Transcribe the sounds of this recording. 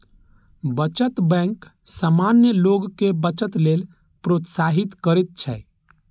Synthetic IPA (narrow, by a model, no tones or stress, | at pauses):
bət͡ʃət̪bɛ̃ŋksamanjəloɡkebət͡ʃət̪lel | pɾot̪saɦit̪kəɾet̪̚t͡ʃʰɛ̰